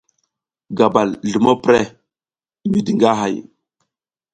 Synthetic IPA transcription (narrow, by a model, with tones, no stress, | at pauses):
ɡa˨ba˨lɮu˨mo˦pɾe˦˨ | mi˦di˨ŋɡa˦ɦa̰˨j